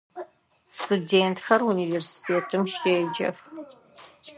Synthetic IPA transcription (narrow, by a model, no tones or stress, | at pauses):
studeːntʰxɐruniveːrsi̥tʰeːtʰɨmʃteːd͡ʒɐ̰x